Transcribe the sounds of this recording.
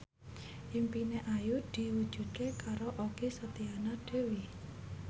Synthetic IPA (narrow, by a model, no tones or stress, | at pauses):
ʔimpineʔajʊd̪̥i̤wud̥ʒ̥ṳd̪̚kekaɾoʔoɡ̥esət̪ianaɖ̥e̤wi